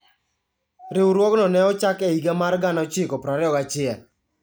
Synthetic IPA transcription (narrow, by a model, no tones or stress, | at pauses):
ɾɪwuɾwɔknɔnɛɔt͡ʃakɛiɡamarɡanɔt͡ʃɪkɔpɾaɾɪɔkat͡ʃɪɛl